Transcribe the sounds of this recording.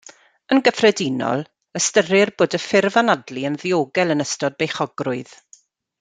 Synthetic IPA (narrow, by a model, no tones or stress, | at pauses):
ənɡəfrɛdinɔ̰lˠ | əstəɾɪrboːdəfɪrvanadliənðioːɡɛlˠənəstɔd̚bejχɔɡrʊɨð